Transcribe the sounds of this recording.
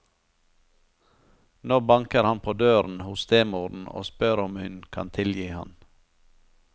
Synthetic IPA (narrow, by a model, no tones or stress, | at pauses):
noːbɑŋkəɾhɑnpʰoːd̪øːɾn̩hʊst̪ʰeːmuːɾn̩o̰ːspœɾɔmhʏnkʰɑ̰nt̪ʰɪljiːhɑ̰n